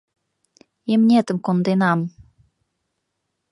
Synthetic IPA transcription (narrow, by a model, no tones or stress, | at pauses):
imnʲet̪ə̆mkond̪enɑm